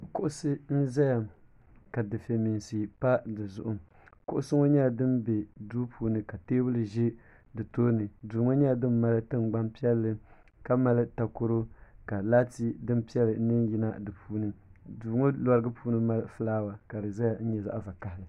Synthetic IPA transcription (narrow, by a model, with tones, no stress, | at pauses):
kʊ˦ʔʊ˦sɨ˦n̩˦za˦ja˨m | ka˨dɨ˨fe˨mi˨n˨si˨pa˦dɨ˨zʊ˦ʔʊ˦ | kʊ̰˦ʔʊ˦sɨ˦ŋo˦ɲɛ˦a˨dɨ˦mbe˨duː˦pʰuː˨˦nɨ˨ka˨teː˦bɨ˦lɨ˨ʒe˦ | dɨ˨toː˦nɨ˨duː˨ŋo˦ɲɛ˦a˨dɨ˦mː˦a˦lɨ˦tɨ˦mɡ͡ba˦mpi˦ɛ˦lːɨ˦ | ka˦ma˦lɨ˦ta˨ko˦ɾo˦ka˨la˦ti˦dɨ˦mpi˦ɛ˦lɨ˨˦nɨ˦n˦ji˦na̰˦dɨ˨pʰuː˦nɨ˦duː˨ŋo˦lɔ˦ɾɨ˦ɡɨ˦pʰuː˦nɨ˦ma˦lfɨ˦laː˦wa˨ka˨dɨ˨za˦ja˨n̩˦ɲɛ˨za̰˦ʔva˨ka˨hɪ˨lɨ˨